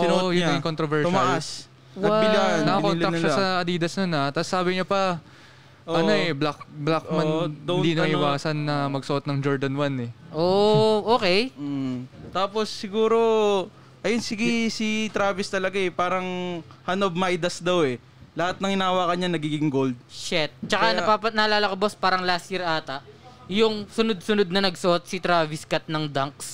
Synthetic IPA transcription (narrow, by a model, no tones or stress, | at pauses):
sonjʊɲɐɪŋkont̪ɾovɛɹt̪ʊmɐʔas | ɐɪlanɐkɐkonlɐɐknkʃasɐɐd̪iːd̪ɐsnonat̪asːaːbɪɲɐpɐ | ʔoʔɐo̞ɛblak̚blak̚mɐd̪ɐwniːnɐɐʔɪwaːsɐnːɐmɐɡ̚sɐʔot̪̚nɐŋd͡ʒoɹd̪ɐnwanɛʔoʔoːkɛj̩ | t̪aːpo̞sːɪɡuːɾo̞ | ʔɐjonsɪɡisit̪ɾaːvɪst̪ɐlɐɡaɛpaːɾɐŋhɐnob̚majd̪ɐsd̪awɛ | lɐhat̪̚nɐŋɪnaːwakɐɲanɐɡiːɡɪŋɡold̪̚ʃɛt̪̚t͡ʃɐkanɐpapɐnɐlaːlɐkɐbospaːɾɐŋlast̪̚jiɾʔaːt̪ɐʔjʊŋsʊnod̪̚sʊnod̪̚nɐnɐɡsʊʔot̪̚sɪt̪ɾaːvɪskɐt̪̚nɐŋd̪aŋks